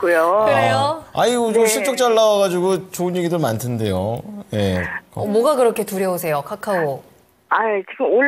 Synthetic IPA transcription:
k͈ujoɯɾejoaiod͡ʑoɕʰit͡ɕ͈ok̚t͡ɕ͈aɭːawaɣad͡ʑiɡot͡ɕoɯnje̞ɡidɯmantʰɯnde̞jo̰je̞kʌmwʌɡakɯɾʌkʰe̞tuɾjʌosʰe̞jokʰakʰao | ait͡ɕiɡɯmoɭ

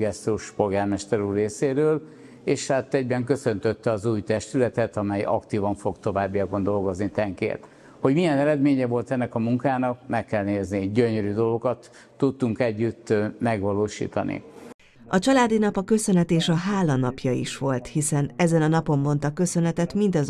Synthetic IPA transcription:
ɡɛst̪uʃpo̞lɡaːrmɛʃt̪ɛɾuːreːseːɾøːl | eːʃhat̪ːɛɟbɛŋkø̞sø̞nt̪øt̪ːɛɒzuːjt̪ɛʃt̪ylɛt̪ɛt̪ɒmɛjɒ̰kt̪iːvɒɱfo̞ɡt̪o̞vaːbːijɒkond̪o̞lɡo̞znit̪ɛŋkḛːrt̪ | ho̞ɟmiɛnɛɾɛd̪meːɲɛvo̞lt̪ɛnːɛkɒmuŋkaːnɒkmɛkːɛlneːzniɟøɲøɾyːd̪o̞lɡo̞kɒt̪ː | ut̪ːuŋkɛɟːyt̪ːmɛɡvɒloːʃḭːt̪ɒ̰nḭ | ɒt͡ʃɒlaːd̪inɒpɒkø̞sø̞nɛt̪eːʃɒɦaːlɒnɒpjɒḭʃʋo̞lt̪hisɛnɛzɛnɒnɒpo̞mːo̞nt̪ɒkø̞sø̞nɛt̪ɛt̪mint̪ɒz

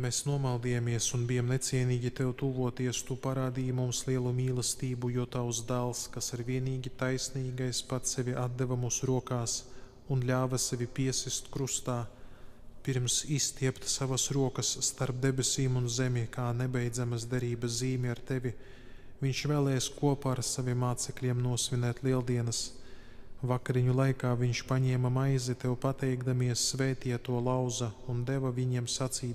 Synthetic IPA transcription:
meːsnuɔmalˠd̪iːjamiɛsunbijamnet̪siɛniːɡʲit̪ewt̪uːvuɔt̪iɛst̪upaɾaːd̪iːjmumslˠiɛlˠumʲiːlˠɐst̪iːbujuɔt̪awsd̪alˠskasiɾviɛniːɡʲit̪ajsniːɡajspat̪sɛvʲiʔad̪̚d̪evamusɾuɔkaːs | unlʲaːvɐsevʲipiɛsist̪kɾust̪aː | piɾmsist̪ʲiɛpt̪savasɾuɔkɐsːt̪aɾp̚d̪ebʲesʲiːmunzemʲikaːnɛbɛjd̪zamɐsd̪eɾiːbɐsziːmʲiaɾt̪evʲi | vʲiɲʃvɛːlˠɛːjskuɔpaaɾsaviɛmːaːt̪sɛklʲiɛmnuɔsvʲinɛːt̪lˠiɛlˠd̪iɛnɐs | vakaɾiɲulˠajkaːviɲʃpaɲɛːmɐmajzit̪ɛwpat̪ɛjɡd̪amiɛsːvɛːt̪iɛt̪ːuɔlˠawzɐund̪ɛvavʲiɲiɛmsat̪siːt̪

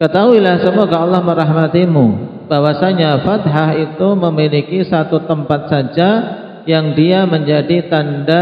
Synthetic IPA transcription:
kət̪aɦuilahsəmoɡaɑlːɑhməɾaɦmat̪imu | b̥awasaɲafat̪ɦaɦit̪uməmilikisat̪ut̪əmpat̪̚sad͡ʒa | jaŋdiaməɲd͡ʒadit̪anda

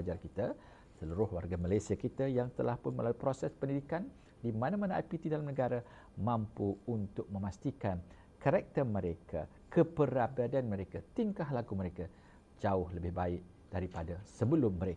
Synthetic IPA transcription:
d͡ʒarkit̪a | səluɾʊhwa̰rɡamalajsiakit̪ajaŋt̪əlahpʊnməlalupɾosɛspəndidikan | dimãnamanaa̰jpit̪idalamnəɡaɾa | mãmpuunt̪ʊk̚mə̃mast̪ikan | kaɾɛk̚t̪ərməɾekʰa̰ | kʰəpəɾabadanmə̃ɾekat̪iŋkaɦlaɡuməɾeka | d͡ʒaʊhləbɪhbaɪʔ̚ | d̥aɾipadasəbəlʊmːəɾe

